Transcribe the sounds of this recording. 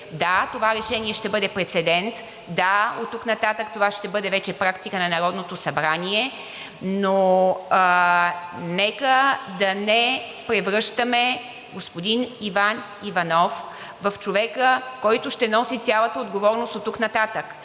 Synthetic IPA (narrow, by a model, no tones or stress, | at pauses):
d̪at̪ovaɾɛʃɛniɛʃt̪ɛbɤd̪ɛpɾɛt̪sɛd̪ɛnt̪ | d̪aot̪ːuknɐt̪at̪əkt̪ovaʃt̪ɛbɤd̪ɛvɛt͡ʃɛpɾakt̪ikənɐnɐɾɔd̪not̪osɐbɾaniɛ | no | nɛkəd̪ɐnɛ | pɾɛvɾɤʃt̪əmɛ | ɡospod̪inivan | ivɐnɔf | vəft͡ʃovɛkəkɔjt̪ʊʃt̪ɛnɔsit̪sʲjalˠət̪əod̪ɡovɔɾnost̪ot̪ːuknɐt̪at̪ək